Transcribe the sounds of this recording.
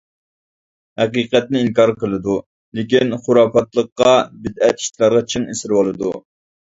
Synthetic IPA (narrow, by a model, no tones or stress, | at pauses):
hɛqiqɛt̪̚nɪiŋkɑɾqəlˠɨd̪u | lekʲinχʊɾɑːpɑt̪lˠəqːɑbɪd̪ɛt̪i̥ʃt̪ʰlˠɑɾʁɑt͡ʃʰiŋesɪɾwɑlˠɨd̪u